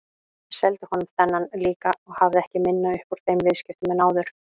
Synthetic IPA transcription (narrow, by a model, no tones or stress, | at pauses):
sɛlt̪ʏhɔnʏmθɛnːanliːkaɔɣhavðɪɛhcɪmɪnːaʏhpʊɾ̥θejmvɪðscɪft̪ʏmɛðnaːwðʏɾ̥